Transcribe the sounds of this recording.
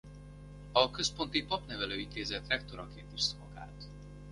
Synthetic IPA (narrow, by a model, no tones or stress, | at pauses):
ɒkø̞spo̞nt̪ipɒpnɛvɛløːint̪eːzɛt̪rɛkt̪oɾɒkeːnt̪iʃt̪mɒɡa̰ːt̪